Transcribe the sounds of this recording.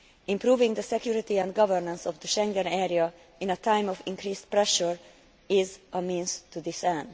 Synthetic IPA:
ĩmpɾuːvɪ̃ŋɡd̪əsɛkjuɾit̪iɛ̃nd̪ɡʌvəɹnə̃nsɔvd̪əʃɛ̃ŋɡɛ̃nɛɾia | ɪ̃nət̪ʰãj̃mɔvĩŋkɾiːspɾɛʃəɹ | ɪzəmĩːnst̪ud̪ɪsɛ̃nd̪

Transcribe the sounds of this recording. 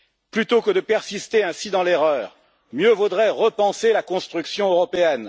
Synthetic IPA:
plyt̪okəd̪əpɛʁsist̪eɛ̃sid̪ɑ̃leʁœːʁ | mjøvud̪ʁɛʁəpɑ̃selakɔ̃st̪χyksjɔ̃øʁɔpeɛn

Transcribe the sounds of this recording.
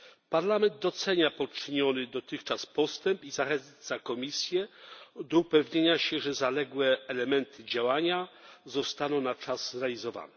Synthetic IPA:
paɾlamɛnd̪̚d̪ɔt̪sɛɲapɔt͡ʂɘɲɔnɘd̪ɔt̪ɘxt͡ʂaspɔst̪ɛmpizaxɛnt̪sakɔmʲisʲjɛd̪ɔupɛvɲeɲaɕɛʐɛzalɛɡwɛːlɛmɛnt̪ʰɘd͡ʑawaɲazɔst̪anɔ̃w̃nat͡ʂazzɾɛalʲizɔva̰nɛ

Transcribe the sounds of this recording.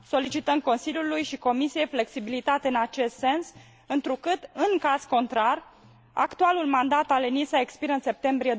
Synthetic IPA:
so̞lit͡ʃit̪əm̚ko̞nsiljulujʃiko̞misije̞jfle̞ksibilit̪at̪e̞ɨnat͡ʃe̞st̪se̞ns | ɨnt̪ɾukɨt̪ɨŋkaz̥ko̞nt̪ɾar | a̰kt̪ualulmand̪at̪alenisaekspiɾəɨnse̞p̚t̪e̞mbɾije̞d̪

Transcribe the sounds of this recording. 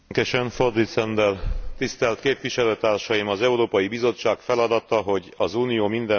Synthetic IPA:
kɛʃɛɱfo̞rd̪iːt̪sɛnd̪ɛlt̪ist̪ɛlt̪keːpʋiʃɛløːt̪aːrʃɒjimɒzɛuɾoːpɒjibizo̞t͡ʃːaːkfɛlɒd̪ɒt̪ɒɦo̞ɟɒzuːnijoːmind̪ɛ

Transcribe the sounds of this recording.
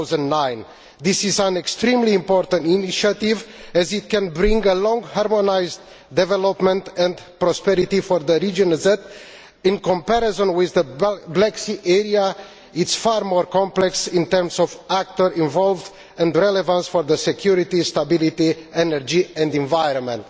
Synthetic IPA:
wzə̃nnãj̃n | d̪isizãnekst̪ɾĩmlĩːmpɔɾt̪ə̃nt̪iniʃat̪ivɛzit̪̚kɛ̃nbɾĩŋɡəlɔ̃ŋɡhaɾmonajzd̪ | d̪ɛvɛlopmɛ̃nt̪ɛ̃nd̪ | pɾɔspɛɾit̪ifɔɾd̪əɾid͡ʒɔ̃nzɛt̪ | ĩnkɔ̃mpɛɾezɔ̃nwiðːəblɛksiʔɛɾia | it̪sfaɾmɔɾkɔ̃mplɛksĩnt̪ɛɾmsɔvæk̚t̪əɾĩɱvɔlvd̪ | ɛ̃nd̪ɾɛlevãnsfɔɾðəsekjuɾit̪ist̪abilit̪iɛnəɾd͡ʒiɛ̃nd̪ĩɱvajɾɔ̃nmɛ̃nt̪

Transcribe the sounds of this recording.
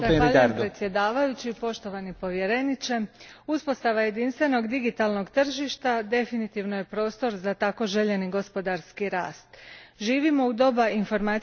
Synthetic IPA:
aaʎapɾet̪sje̞d̪aːʋajut͡ɕipo̞ʃt̪o̞ʋanipo̞ʋje̞ɾe̞nit͡ɕe̞uspo̞st̪aʋaje̞d̪inst̪ʋe̞no̞ɡd̪iɡit̪alˠno̞ɡt̪r̩ʒiʃt̪ad̪e̞finit̪iʋno̞je̞pɾo̞ːst̪o̞ɾzat̪ako̞ʒe̞ʎe̞niɡo̞spo̞d̪aɾskiɾa̰ːst̪ʒiːʋimo̞ud̪o̞bainfo̞ɾmaː

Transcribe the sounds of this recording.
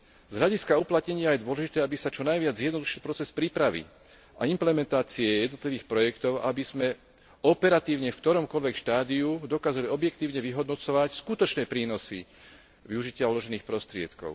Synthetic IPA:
z̥ɦʎaɟiskauplat̪ɲɛɲɪajɛd̪ʊɔlɛʒit̪ɛːabisat͡ʃɔnajʋɪad͡zjɛd̪nɔd̪uʃilpɾɔt͡sɛspɾiːpɾaʋḭ | ʔaimplɛmɛnt̪aːt͡siɛjɛd̪nɔt̪liʋiːxpɾɔjɛkt̪ɔʊʔabiz̥mɛ | ɔpɛɾat̪iːʊɲɛfkt̪ɔɾɔmkɔʎʋɛkʃt̪aːd̪iud̪ɔkaːzaliɔbjɛkt̪iːʊɲɛʋiɦɔd̪nɔt͡sɔʋacskut̪ɔt͡ʃnɛːpɾiːnɔsi | ʋiuʒicɪaɔlɔʒɛniːxpɾɔst̪ɾɪɛ̰t̪kɔ̰ʊ

